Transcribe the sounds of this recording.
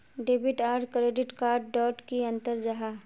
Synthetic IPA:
ɖeːbɪʈaːɾɖkɾeːɖɪʈkaːɾɖɖɔːʈkiɐ̃nt̪əɾd͡ʒaɦaː

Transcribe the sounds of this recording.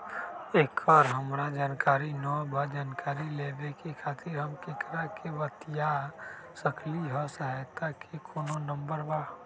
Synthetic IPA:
eːkaːɾɦəmɾad͡ʒaːnkaːɾinɔbʱəd͡ʒaːnkaːɾilebekekʰaːt̪ɪɾɦəmkekɾakeʋət̪ija | səkliɦɔsəɦajt̪akʰekʰoːnonə̃mbəɾbaː

